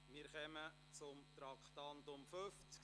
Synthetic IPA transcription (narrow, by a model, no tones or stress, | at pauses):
mɪɾχɛmə | t͡sʊmtɾɑktɑntʊmføft͡s